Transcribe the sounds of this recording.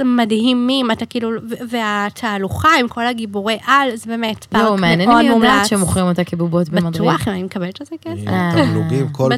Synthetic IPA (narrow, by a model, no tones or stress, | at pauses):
madhimːimatakiːluveveatʰaːluχaimko̞laɡiboʁeʔalzebemetbaomeanjenodmumlaʃemuχʁimotakebubotbemad̪ʁuiaχimanimekabeltezekesaeuɡimkob